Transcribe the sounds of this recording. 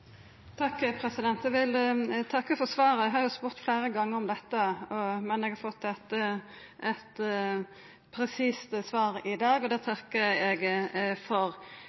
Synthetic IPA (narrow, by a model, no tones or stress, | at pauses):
t̪ʰɑkːpʰɾɛsɪd̪ɛnt̪ɛʋɪlt̪ʰɑkːəfɔsʋɑːɾəɛɡɦɑɾjʊspʉːɾt̪fleːɾəɡɑŋːəɾɔmd̪ɛt̪ːəɔmɛnɛɡhɑɾfɔt̪ːɛt̪ | ʔɛt̪ | pʰɾɛsiːst̪sʋɑːɾɪd̪ɑːɡɔd̪ɛːt̪ʰɑkːəɛɡfɔɾ